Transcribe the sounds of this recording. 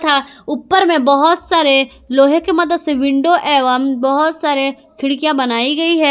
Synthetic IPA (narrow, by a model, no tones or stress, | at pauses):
t̪ʰaʊpːəɾmẽbɐɦʊt̪saːɾe | loːɦekemɐd̪əd̪seʋɪ̃ɳɖoʔɛːʋaːmbɐɦʊt̪saːɾe | kʰɪɽkijãbɐnaːiɡɐiɦɛː